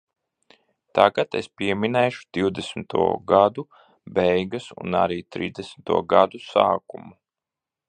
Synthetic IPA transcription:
t̪aɡat̪ḛspʲiɛminɛːʃu̥d̪̥iwd̪esmit̪ṵɔɡad̪u | bɛjɡasṵna̰ɾiːt̪ɾḭːzd̪esmit̪uɔɡad̪usaːkumu

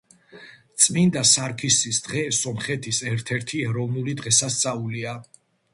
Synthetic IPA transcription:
t̪sʼmind̪asaɾkʰisisd̪̥ʁɛsɔmχɛt̪ʰisɛɾt̪ʰɛɾt̪ʰiɛɾɔvnulid̪ʁɛsast̪sʼaulia

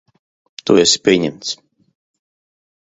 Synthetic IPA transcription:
t̪uɛsʲi̥pʲiɛɲɛmt̪s

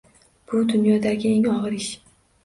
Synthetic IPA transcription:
b̥ʊd̪ʊnjɒd̪aɡʲɪe̞ŋɒʁɨɾɪʃ

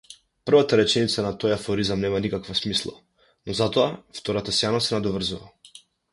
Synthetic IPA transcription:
pr̩vat̪aɾɛt͡ʃɛnit̪sanat̪ɔjafɔɾizamnɛmanikakvasmislˠa̰ | nɔzat̪ɔaft̪ɔɾat̪asjanasɛnad̪ɔvr̩zuva̰

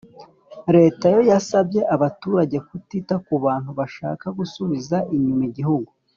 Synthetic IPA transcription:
ɾe̞ːtajo̞jasabje̞ʔaβatuːɾaɟe̞kutitakuβaːnhuβaʃa̰ːkaɡusuβizaʔiɲumiɟihuɡu

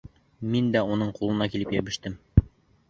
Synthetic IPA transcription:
mind̪æunɤɴqulˠɤ̆nɑkilɘpjæβɘ̆ʃt̪ɘm

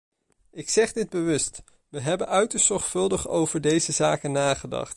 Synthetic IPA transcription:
ɪksɛχdɪd̚bəʋɵst | ʋəɦɛbənœɥtəɹsz̥ɔɹχfɵlˠdəχo̰wvəɹdejzəzaːkənaːχədɑ̰χt

